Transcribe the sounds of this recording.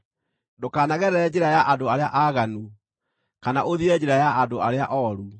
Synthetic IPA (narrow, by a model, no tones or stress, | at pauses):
dokaːnaɣɛɾɛɾɛd͡ʑeɾajaʔadoaɾeaʔaɣanu | kanaʔoðiɛd͡ʒeɾajaʔandoaɾeaʔɔɾu